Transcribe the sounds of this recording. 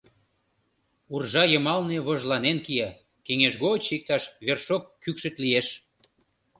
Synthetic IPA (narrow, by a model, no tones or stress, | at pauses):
urʒɑjəmɑlneβoʒlɑnenkiɑ | keŋeʃɣot͡ɕik̚t̪ɑʃβerʃokːykʃə̆t̪lieʃ